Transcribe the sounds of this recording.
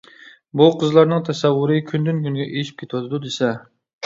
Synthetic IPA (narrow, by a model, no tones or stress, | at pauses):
buqʰəzlˠɑɾnɨŋt̪ʰɛsɛwːʊɾɨkʲʰynd̪ynkʲʰynɡʲɛʔeʃi̥p̚kʰʲet̪ʰwɑt̪ʰɨd̪ud̪esɛ